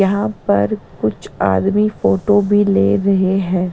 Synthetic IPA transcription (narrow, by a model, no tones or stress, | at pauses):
jɐɦãpɐɾkʊt͡ʃʰa̰ːd̪mifoːʈobʱilḛːɾɐɦeɦɛ̃ː